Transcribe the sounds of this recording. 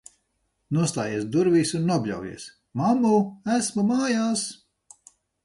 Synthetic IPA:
nuɔst̪aːjiɛs̬d̪uɾviːsunːubʲʎʲa̰wjḭɛs | mamuæsmumaːjaːs

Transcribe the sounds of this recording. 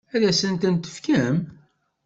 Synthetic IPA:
æðæsənt̪ənt̪ə̥fkæm

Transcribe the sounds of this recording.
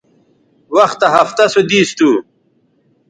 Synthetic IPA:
wɐxt̪ɐɦɐft̪ɐsod̪iːst̪u

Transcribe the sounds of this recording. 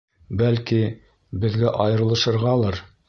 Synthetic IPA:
bælki | bɘ̆ðɡæʔɑjɤ̆ɾɤ̆lˠɤ̆ʃɤ̆ɾʁɑlˠɑɾ

